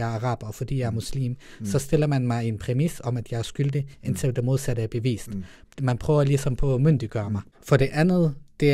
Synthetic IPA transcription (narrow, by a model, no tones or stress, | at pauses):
ɑɐɑ̈ʁɑ̈ːb̥ɒ̽fɒ̽d̥ḭːjɑ̈æɐmuslḭːm | sɒ̽sd̥e̝l̰ɐmænmɑ̈ɪe̝npʰʁɛmisɒ̽mæd̥jɑ̈ɪæɐsɡ̥yld̥əe̝nt͡sʰe̝ld̥emo̝ð̞ˠsæɾ̥əæɐb̥e̝ʋḭːsd̥ | mænpʰʁœːʊɐlisɒ̽mpʰɒ̽møn̰d̥iɡ̥ɶːɐmɑ̈ɪfɒ̽ɾ̥e̝ʔænð̩ˠd̥e̝